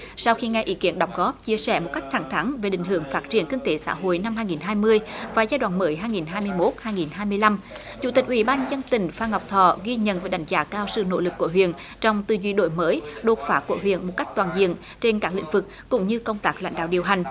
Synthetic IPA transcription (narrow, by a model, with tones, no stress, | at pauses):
sa˧wxi˧ŋɛ˧˩ʔi˨˦ki˨˦ənɗa˨˩wŋ͡m̚ɣɔ˦˥p̚t͡ɕi˧əsɛ̰˧˩mo˨˩t̚ka˦˥jk̚t̪ʰa˧˩ŋt̪ʰa˨˦ŋve˨˩ɗḭ̈˧˨ŋɦɨ˧˩əŋfaː˦˥t̚t͡ɕḭ˧˩ənk̪ə˧ŋt̪e˨˦sa̰ː˧˥ɦo̰˧˨jna˧mhaː˧jŋi˨˩nɦaː˧jmɨ˧əjvaː˨˩zaː˧jɗwa̰ː˧˨nməː˨˦jɦaː˧jŋi˨˩nɦaː˧jmɨ˧əjmo˦˥t̚haː˧jŋi˨˩nɦaː˧jmɨ˧əjla˧m | t͡ɕṵ˧˥t̪i˨˩k̟̚ʔwi˧˩˦ɓaː˧nzə˧nt̪ï˨˩ŋ̟faː˧ŋa˨˩wk͡p̚t̪ʰɔ̰˧˨ɣi˧ɲə̰˧˨nvəː˨˦jɗa̰˨˦jŋ̟zaː˨˦kaː˧wsɨ̰˧˨no̰˧˥lɨ˨˩kːu˧˩əɦwḭ˧˨ən | t͡ɕɔ˧wŋ͡mt̪ɨ˧˩zwi˧˩ɗo̰˧˨jməː˨˦jɗo˨˩t̚faː˨˦ku˧˩əɦwḭ˧˨ənmo˨˩t̚ka˦˥jk̚t̪waː˨˩nzḭ˧˨ən | t͡ɕe˧nkaː˦˥k̚lḭ̈˧˥ŋ̟vɨ˨˩k̚kʊ̰˧˥ŋ͡mɲɨ˧kə˧wŋ͡mt̪aː˦˥k̚la̰˧jŋ̟ɗa̰ː˧˨wɗi˨˩əwɦa˨˩jŋ̟